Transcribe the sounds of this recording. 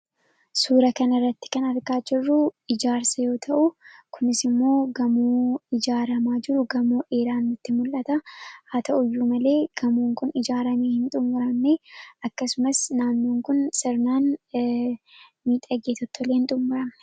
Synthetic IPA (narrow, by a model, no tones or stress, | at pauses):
suːɾɐkɐnɪrːɐt̪ːɪ̥kɐnɐɾɡaːd͡ʒɪrːʊɪd͡ʒaːɾsɐjo̞ːt̪ʰɐʔʊkʊnɪsɪmːo̞ːɡɐmuːɪd͡ʒaːɾɐmaːd͡ʒɪɾʊɡɐmoːʔe̞ːɾaːnːʊt̪ːɪmʊlːɐt̪ɐhaːt̪ʰɐʔʊjːuːmɐle̞ːɡ̥ɐmuːŋkʊnɪd͡ʒaːɾɐmeːhɪnt̪ʼʊmːʊɾɐmneɐkːɐsʊmɐsnaːnːoːŋkʊnsɪɾnaːn | miːt̪ʼɐɡeːt̪ɔt̪ʰːoleːhɪnt̪ʼʊmːʊɾɐmnɛ̥